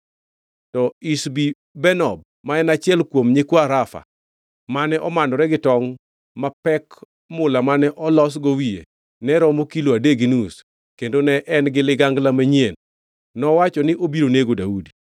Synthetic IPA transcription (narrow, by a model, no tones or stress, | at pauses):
tɔisbi | bɛnɔb | maɛnat͡ʃɪɛlkwomɲekwoaɾafa̰ | manɛʔɔmanɔɾɛɡɪtɔŋ | mapɛk | mʊlamanɛʔɔlɔsɡowiḛ | nɛɾɔmokiloadeɡinus | kendonɛʔɛnɡɪlɪɡaŋɡlamaɲienː | ɔwat͡ʃɔnɪʔobiɾoneɡodaudi